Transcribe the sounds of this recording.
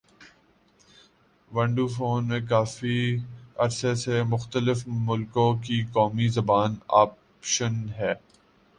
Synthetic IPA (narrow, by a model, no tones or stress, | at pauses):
ʋɐ̃ɳɖuːfoːnmẽk̬aːfiɐɾsesemʊxt̪əlɪfmʊlkõkikɔːmizɐbaːnaːp | ʃənɦɛː